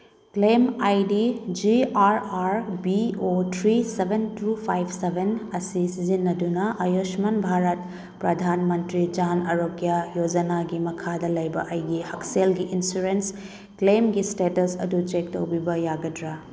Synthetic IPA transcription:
klemajdid͡ʒiaɾaɾbiotʰɾisebʱentupʰajbʰsebʱenɐsisizinːɐdunɐʔɐjosmanbʱaɾɐt̚ | pɾɐdʱanmɐntɾid͡ʒanɐɾokjajod͡ʒɐnaɡimɐkʰadɐlɐjbɐ̰ʔɐjɡihɐkselɡiʔinsuɾens | klemɡistetɐsɐ̰dut͡ʃekto̰wbibɐjaɡɐdɾa

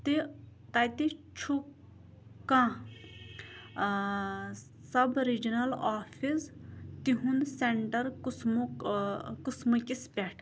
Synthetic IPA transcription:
t̪i | t̪ajt̪it͡ʃʰu | kãː | sɐbɾid͡ʒinɐlaːfʰist̪iɦũnseɳʈɐɾksm | kusmɐkʲispʲeʈʰ

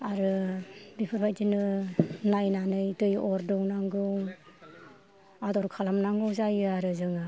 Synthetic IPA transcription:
aɾɯbipʰɯɾpʰajtinɯnajnanɯjtɯjɔɾdɯwnaŋɡɯŋ | adɔɾkʰalamnaŋɡɯzajɯaɾɯzɯŋɯ

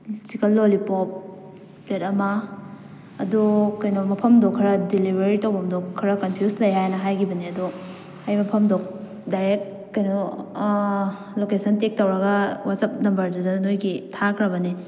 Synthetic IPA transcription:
sikʰɐlːolipop̚ | ɾetɐmɐː | dukɐjnomɐpʰɐmdokʰːiɾɐdilibɾeɾitɐwbɐmdokʰːiɾɐkɐmpʰjuslɐjɦajnɐɦajkʰibɐniɐdu | ajmɐpʰɐmdok̚ | dajɾek̚ | kɐjnu | lokesʰɐntek̚tɐwɾɐɡɐwasɐp̚nɐmbɐɾdudɐnojɡitʰakʰɾɐbɐni

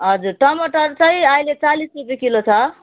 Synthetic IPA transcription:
ɦʌd͡zuɾʈʌmʌʈʌɾt͡sʌjajlet͡salisrupjekilot͡sʰʌ

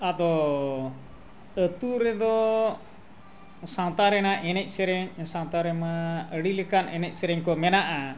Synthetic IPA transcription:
ad̪ɔ | ət̪uɾɛd̪ɔ | sawt̪aɾɛnaʔɛnɛc̚ˀsɛɾɛɲsãwt̪aɾɛmaəɽilɛkanɛnɛc̚ˀsɛɾɛɲkɔmɛnaʔa

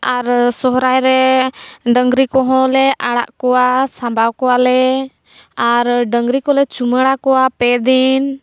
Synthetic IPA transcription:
aɾsɔɦɾajɾɛ | ɖəŋɡɾikɔɦɔ̃lɛʔaɽa̰ʔkɔwasãmbʱawkɔwalɛ | aɾɖəŋɡɾikɔlɛt͡ʃuməɽakɔwapɛd̪in

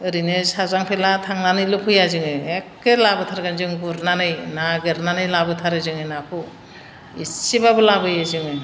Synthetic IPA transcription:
ɯɾinɯsazaŋpʰelatʰaŋnanɯjlɯpʰɯjazɯŋɯek̚ːɯlabɯtʰaɾɡɯnzɯŋɡuɾnanɯjnaɡɯɾnanɯjlabɯtʰaɾɯzɯŋɯnapʰɯ | ḭsibabɯlabɯjazɯŋɯ

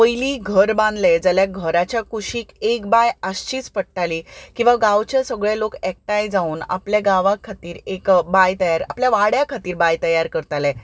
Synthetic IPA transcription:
pəjliːɡʱəɾbãnd̪led͡zəljaɡʱəɾat͡ɕjakuɕiːkekbajəst͡ɕiːt͡spəɽʈaliːkĩw̃ʋaɡawt͡ɕasəɡɭelokɛk̚ʈajd͡zauna̰pljaɡaʋakʰːat̪iːɾekbajt̪əjaɾa̰pljaʋaɽjakʰat̪iːɾbajt̪əjaɾkəɾt̪alɛ

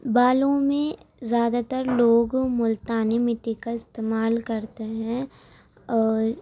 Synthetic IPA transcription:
baːlõmẽzjaːd̪at̪əɾloːɡmʊlt̪aːnimɪt̪ːikaɪst̪eːmaːlkɐɾt̪eɦɛ̃

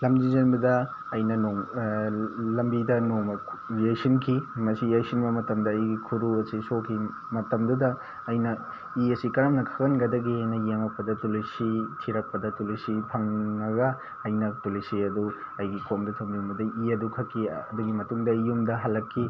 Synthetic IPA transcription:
lɐmd͡ʒizɐnbɐdɐ | ɐjnɐnoŋ | lɐmbidɐnomɐjɐjsinkʰimɐsijɐjsinbɐmɐtɐmdɐːjɡikʰuɾuɐsisokʰi | mɐtɐmdudɐː | jnɐ | iɐsikɐɾɐmnɐkʰɐkɐnɡɐdɐɡiajnɐjemɐk̚pːɐdɐtulisitʰiɾɐk̚pɐdɐtulisipʰɐŋnɐɡɐː | jnɐtulisiɐduɐjɡikʰomdɐtʰɐmlunbɐdɐiɐdukʰɐkʰːiɐduɡimɐtuŋdɐijumdɐɦɐlːɐkʰːi

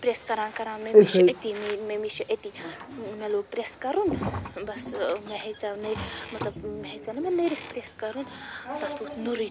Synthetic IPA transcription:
pɾeskɐɾãːnkɐɾãnmeʃet̪imimemiʃʰiʔet̪imeloɡ̚pɾeskɐɾunbɐsmeɦet͡sanɐjmɐt̪lɐbmeɦet͡sanɐmenɐjɾispɾeskɐɾunt̪ɐt̪ut̪nuɾi

